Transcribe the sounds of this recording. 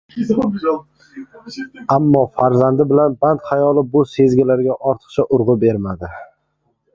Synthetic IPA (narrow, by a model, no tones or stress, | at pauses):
amːɒfaɾzand̪ɪbɪlanbant̪χajɒlˠɪbʊse̞zɡʲɪlaɾɡʲaʔɒɾt̪ʰɨ̥qt͡ʃʰaʔʊɾʁʊbe̞ɾmad̪ɪ